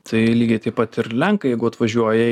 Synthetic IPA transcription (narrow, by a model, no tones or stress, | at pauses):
t̪ʰɐɪlʲiːɡʲeɪt̪ɐɪpɐt̪ɪɾlʲɛŋkɐjɛɪɡʊɐt̪ʋɐʒʲuɔjɛ